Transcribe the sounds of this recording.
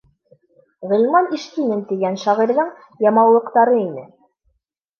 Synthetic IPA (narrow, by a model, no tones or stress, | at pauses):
ʁɤ̆lʲmɑniʃt̪inɘnt̪iɡænʃɑʁiɾðɤɴ | jɑmɑwlˠɤ̆qt̪ɑɾɤinɘ